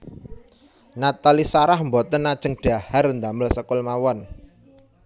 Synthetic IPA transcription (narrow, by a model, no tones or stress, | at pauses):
nat̪alisaɾahmbɔt̪ənːad̥ʒ̥əŋɖ̥aharnd̪aməlsəkʊlmawɔn